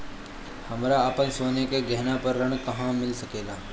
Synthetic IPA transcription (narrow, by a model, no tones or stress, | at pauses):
hɐmɾaːpənsoːnekeɡɛɦnapɐɾːɐɳkɐɦãmɪlsɐkeːɡaː